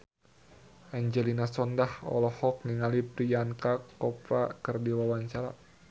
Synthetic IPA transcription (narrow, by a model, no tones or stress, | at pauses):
aɲd͡ʒɛlinasɔndahɔ̰lɔhɔk̚niŋalipɾijaŋkakɔpɾa̰kərdiwawaɲt͡ʃaɾa̰